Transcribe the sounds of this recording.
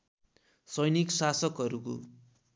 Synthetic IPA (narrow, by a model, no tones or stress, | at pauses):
sʌjniksasʌkɦʌɾuko̰